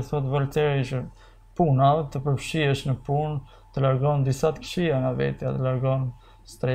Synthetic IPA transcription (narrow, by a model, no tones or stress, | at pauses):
θɔt̪valt̪ɛɾit͡ʃə | punavɛt̪əpəɾfʃiɛʃnəpun | t̪əlaɾɡɔnd̪isat̪ə̥fʃiaŋavɛ̰t̪ja̰t̪əlaɾɡɔn | st̪ɾɛ